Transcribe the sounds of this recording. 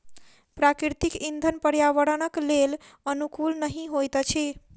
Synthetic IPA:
pɾakɾiɾt̪ikind̪ʱənpəɾjaʋəɾənəklel | ənukulnəɦĩɦojt̪t͡ʃʰi

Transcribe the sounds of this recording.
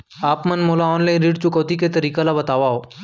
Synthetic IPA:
aːpmɐnmoːlaɔːnlãĩnɾiːɖt͡ʃʊkoːt̪iket̪ɐɾiːkelabɐt̪aːʋaɦoː

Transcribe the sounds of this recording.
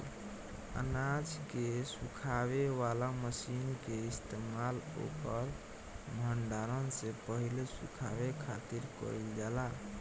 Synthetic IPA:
ə̰nad͡ʒkesukʰaβewalaməsinkeist̪emalo̰kəɾ | bʱəɳɖaɾənsẽpəɦilesṵkʰawekʰat̪iɾkə̰ild͡ʒala

